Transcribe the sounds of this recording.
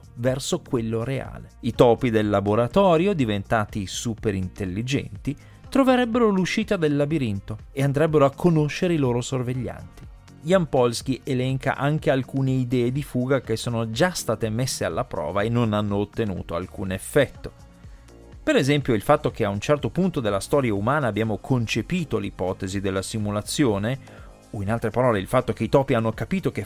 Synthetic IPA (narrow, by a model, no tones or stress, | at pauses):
vɛrsokwelːoɾea̰ːleit̪ɔːpid̪elːaboɾat̪ɔːɾjod̪ivent̪aːt̪isuːpeɾint̪elːid͡ʒɛ̰nt̪i | t̪ɾoveɾɛbːeɾoluʃiːt̪ad̪elːabiɾint̪oeand̪ɾɛbːeɾoakʰːonoʃːeɾeiloːɾosorveʎːa̰nt̪i̥ | jampɔlsk̟iʔelɛŋka̰ʔaŋk̟ealkuːneid̪ɛːed̪ifuːɡak̟esːoːnod͡ʒast̪aːt̪emesːea̰lːapɾɔ̰ːvaenːonanːoːt̪ːenṵːt̪oa̰lkuːnefːɛt̪ːo | peɾezɛmpjoilfat̪ːok̟eaunt͡ʃɛrt̪opunt̪od̪elːast̪ɔːɾjaumaːnaːbːjaːmokʰont͡ʃepiːt̪olipɔːt̪ezid̪elːasimulat̪sːjoːne | oinalt̪ɾepaɾɔːleilfat̪ːokeit̪ɔːpianːokapiːt̪ok̟e